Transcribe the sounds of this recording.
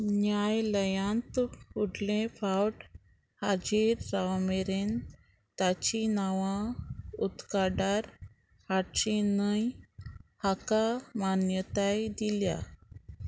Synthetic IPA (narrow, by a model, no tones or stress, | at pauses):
najləjãnt̪kuɽlẽfawʈ | had͡ʑiɾːawmeɾen | t̪at͡ɕinaʋãut̪kaɖaɾ | haʈɕinəj | hakamanjət̪ajd̪ilja̰